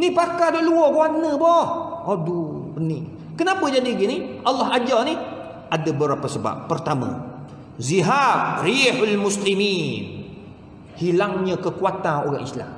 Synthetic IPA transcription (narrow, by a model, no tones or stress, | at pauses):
nipakadɔʔluɔɡanəbɔhʔɔduəni | kənapəd͡ʒadiɡiniʔalːɔɦad͡ʒawni | ʔadəbəɾapəsəba̰p̚ːərt̪amə̰̃ | ziɦab̚rihalmuslimin | hilaŋɲəkəkuat̪ano̰ɣa̰ŋisla̰m